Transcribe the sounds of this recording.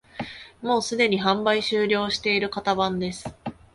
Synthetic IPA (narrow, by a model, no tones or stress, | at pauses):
mo̞ːsɨd̪e̞ɲ̟iɦãmbaiɕɨːɾʲo̞ːɕi̥t̪e̞iɾɯ̟kat̪abãnd̪e̞sɨ̥